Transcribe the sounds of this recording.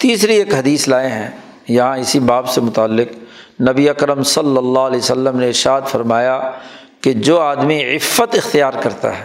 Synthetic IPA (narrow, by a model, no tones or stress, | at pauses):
t̪iːsɾieːkɦɐd̪iːslaːeɦɛ̃ː | jɐɦãɪsibaːbsemʊt̪aːlːɪq | nɐbiɐkɾəmsɐlːəlːaːɦlɛːosəlːəmneɪɾʃaːd̪fɐɾmaːja | ked͡ʒoːaːd̪miɪfːət̪ɪxt̪ijaːɾkɐɾt̪a̰ɦɛː